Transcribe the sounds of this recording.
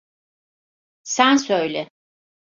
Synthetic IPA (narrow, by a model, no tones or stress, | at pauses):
sænsøjlʲɛ